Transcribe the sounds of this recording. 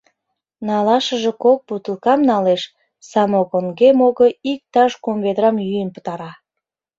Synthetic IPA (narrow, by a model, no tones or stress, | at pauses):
nɑlɑʃəʒe̽kok̚but̪əlkɑmnɑleʃ | sɑmokoŋɡemoɣoik̚t̪ɑʃkomβed̪ɾɑmjyjənpə̥t̪ɑɾɑ